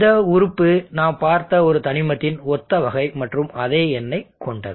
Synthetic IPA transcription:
ðɐʊɾʊpːɯnaːmpaːɾt̪ɐɔɾɯt̪ɐnɪmɐt̪ːɪnɔt̪ːɐʋɐɣɐɪmɐʈrɯmɐðeːɛnːɐɪkɔɳɖɐ̰ð

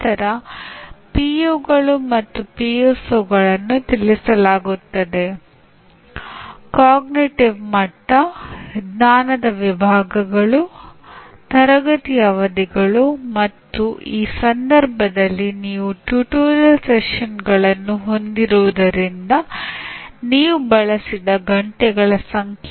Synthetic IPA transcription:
nt̪ɐɾɐ | pijoːɡɐɭumɐt̪ːupijosoːɡɐɭɐnːut̪ilisɐlaːɡut̪ːɐd̪e̞ | kaːɡniʈiʋmɐʈːɐɡnaːnɐd̪ɐʋibʱaːɡɐɡɐɭu | t̪ɐɾɐɡɐt̪ijɐʋɐd̪iɡɐɭumɐt̪ːuʔiːsɐnd̪ɐɾbʱɐd̪ɐlːiniːʋuʈjuʈuːlɐlseʂɐnɡɐɭɐnːuɦo̞nd̪iɾuʋud̪ɐɾind̪ɐ | niːʋubɐɭɐsid̪ɐɡɐɳʈɛɡɐɭɐsɐŋkʰ

